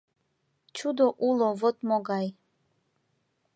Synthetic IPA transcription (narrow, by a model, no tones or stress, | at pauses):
t͡ʃʰud̪ɔʔulˠɔvɔt̪mɔɡaj